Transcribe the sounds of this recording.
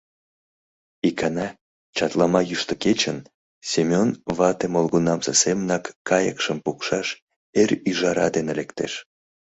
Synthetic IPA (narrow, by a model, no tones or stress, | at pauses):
ikʰɑnɑ | t͡ɕɑt̪lɑmɑjyʃt̪ə̆ket͡ɕən | sʲemʲonβɑt̪emolɣunɑmsesemənɑkːɑjə̰kʃəmpukʃɑʃ | erʲyʒɑɾɑ̰d̪enelekt̪ḛʃ